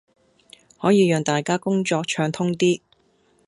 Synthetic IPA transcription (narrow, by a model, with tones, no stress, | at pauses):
hɔː˨˥jiː˨˧jœː˨˧ŋt̪aː˨jkaː˥kʊ˥ŋt͡ʃɔː˧k̚t͡ʃʰœː˧ŋt̪ʰʊ˥ŋt̪iː˥